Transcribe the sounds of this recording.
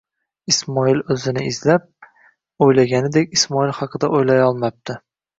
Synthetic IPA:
ismɒilɵzɪnɪizlap̚ | ojlaɡʲanɪd̪ekʲismɒilˠχɑqʰɨd̪aʔojlajɒlˠmap̚t̪ʰɪ

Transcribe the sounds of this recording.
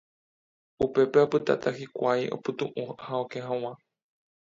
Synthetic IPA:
upe̞peopɨt̪a̰t̪ʰahikʷajʔo̞̰pɨt̪ũʔũhaokeɦãw̃ã

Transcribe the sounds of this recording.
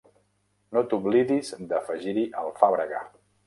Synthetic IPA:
not̪uβliðizd̪əfəʒiɾiʔəlˠfaβɾəɣa̰

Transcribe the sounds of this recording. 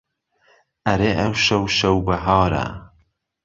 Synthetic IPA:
ʔɐɾeʔɐwʃɐwʃɐwbɐɦɑːɾa̰

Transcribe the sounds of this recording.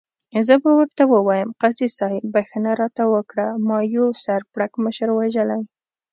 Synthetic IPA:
zəbawəɾt̪awəwɑjəmqasisɑibaxanaɾɑt̪awəkɽamɑjosaɾpɽakməʃəɾwaʒəlaj

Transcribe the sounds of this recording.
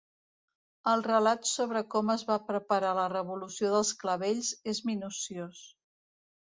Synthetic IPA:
əlˠrəlat̪soβ̞ɾəkɔməzβapɾəpəɾalərəβulusioðəlˠskləβeʎzezminusios

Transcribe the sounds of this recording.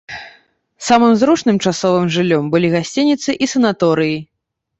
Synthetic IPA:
samɨmzɾut͡ʂnɨmt͡ʂasɔvɨmʐɨlʲːɔmbɨlʲiɣasʲt͡sʲinʲit̪sɨʔisɐnat̪ɔɾɨji

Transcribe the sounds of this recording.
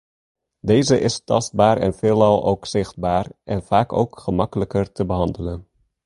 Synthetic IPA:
deːzəʔɪstɑ̰st̚baːɾɛ̰nfɪːlˠɑlˠo̰wksɪχd̚baːrʔɛnfaːko̰wkχəmɑkələkərtəbəɦɑndələn

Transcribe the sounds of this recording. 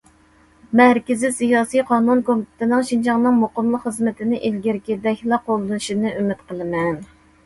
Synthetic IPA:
mɛhɾkʲɪzisijɑːsijqʰɑːnunkʰomit̪ʰɪ̥t̪ʰɪnɪŋʃind͡ʒɑŋnɨŋmoqəmlˠəqχəzmɪt̪ʰɪnɪʔelɡʲiɾkʲid̪ɛkʲlˠɑqolˠd̪ɨnɨʃinɨʔymɪt̪qəlˠɨmɛn

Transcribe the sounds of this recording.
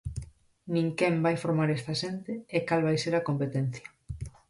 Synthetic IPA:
nĩŋkembajfoɾmaɾest̪aʃent̪ɪːkalβajseɾakompet̪en̟θjɐ

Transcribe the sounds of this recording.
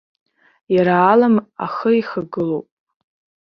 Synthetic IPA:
jaɾaːlama̰χəiχaɡɨlowpʼ

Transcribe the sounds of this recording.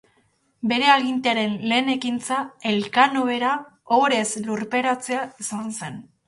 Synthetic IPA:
be̞ɾe̞aɣint̪eaɾe̞nle̞ːne̞kint͡sae̞lkanoβe̞ɾaoɾe̞sluɾpe̞ɾat͡se̞aisanse̞n

